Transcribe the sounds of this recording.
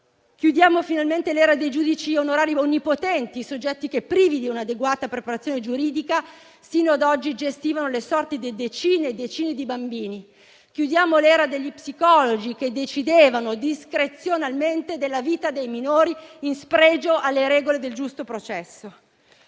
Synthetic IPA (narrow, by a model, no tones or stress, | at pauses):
k̟jud̪jaːmofinalment̪elɛːɾad̪ejd͡ʒuːd̪it͡ʃionoɾaːɾionːipot̪ɛnt̪iːsod͡ʒːɛt̪ːikepːɾiːvid̪iunad̪eɡwaːt̪apɾepaɾat̪sːjoːned͡ʒuɾiːd̪ika | siːnoad̪ɔd͡ʒːid͡ʒest̪iːvanolesɔrt̪id̪ed̪et͡ʃiːned̪et͡ʃiːned̪ibambiːni | k̟jud̪jaːmolɛːɾad̪eʎːipsikɔlod͡ʒik̟ed̪ːet͡ʃid̪eːvanod̪iskɾet̪sːjonalment̪ed̪elːaviːt̪ad̪ejminoːɾiinspɾɛːd͡ʒoʔalːeɾɛːɡoled̪eld͡ʒust̪opɾot͡ʃɛsːo